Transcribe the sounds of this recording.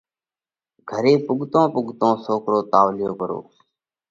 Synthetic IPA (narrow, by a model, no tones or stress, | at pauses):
ɡʱəɾeːpʊɠt̪õːpʊɠt̪õːsoːkɾoːt̪aːʋlɪjoːkəɾo̰ː